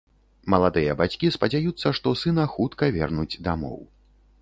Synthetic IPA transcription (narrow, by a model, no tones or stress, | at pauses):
mɐlˠad̪ɨjɐbat͡sʲkʲispɐd͡zʲajut̪sːɐʂt̪ɔsɨnɐxut̪kɐvʲɛ̰rnud͡zʲd̪amɔ̰w